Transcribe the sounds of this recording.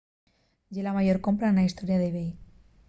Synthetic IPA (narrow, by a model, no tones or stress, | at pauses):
ɟ͡ʝelamaʝo̞ɾko̞mpɾaenlaist̪o̞ɾjaðeβej